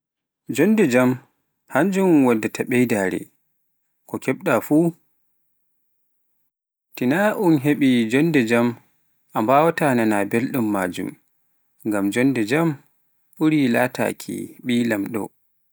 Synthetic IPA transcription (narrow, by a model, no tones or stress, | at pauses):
d͡ʒɔndɛd͡ʒam | haɲd͡ʒumwadːatʰaɓɛjdaːɾɛ̰ | kɔkʰɛɓ̚ɗafu | tinaʔunɦeɓid͡ʒɔndɛd͡ʒam | ʔambawatananabelɗumːa̰ːd͡ʒṵm | ŋɡamd͡ʒɔndɛd͡ʒam | ʔuɾilata̰kʰḭɓiːlamɗɔ̰